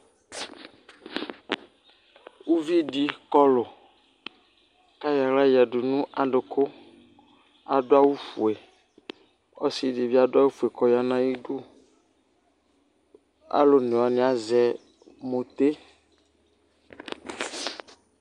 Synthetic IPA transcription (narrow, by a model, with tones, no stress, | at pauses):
wu˦vi˦ɖi˦kɔ˦lo˨ | ka˦ja˨la˦jɛ˨ɖu˨nũ˦ʔa˨ɖʊ˨kʰo˦ | a˨ɖo˦a˦wu˦fu˨e˨ | ɔ˦si˦ɖi˨vi˦a˦dʊ˦a˦wu˦fu˨e˨kɔ˨ja˦nã˦ji˦ɖu˦ | a̰˦lo˦nẽ˨a˨nĩ˨˦a˦zɛ˨ | mo˨t̪e˦